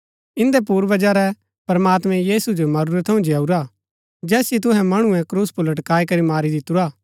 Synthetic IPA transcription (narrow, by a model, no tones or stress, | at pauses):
ɪ̃nd̪ɛpuːɾʋɐd͡ʒaɾɛ | pɾɐmaːt̪mɛ̃jiːsud͡ʒomɐɾuːɾɛt̪ʰːɐũd͡ʒeaːuɾaː | d͡ʒɛːsit̪̬ʊɦɛ̃mɐɽ̃ũɛ̃kɾuːspʊlɐʈkaːikɐɾimaːɾid̪ɪt̪uɾaː